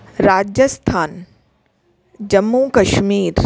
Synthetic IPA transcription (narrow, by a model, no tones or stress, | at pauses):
ɾaːd͡ʒjəst̪ʰaːn | d͡ʒɐmːukɐʃmiːɾ